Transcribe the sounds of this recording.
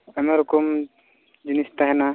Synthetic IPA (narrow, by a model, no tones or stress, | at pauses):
ɛmaɾukum | d͡ʒinist̪aɦɛna